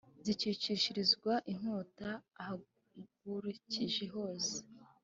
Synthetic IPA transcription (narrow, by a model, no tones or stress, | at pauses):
zicit͡ʃiʃiɾizɡwaʔiŋoːtaːha | ɡuɾuciʒeɦo̞ːse̥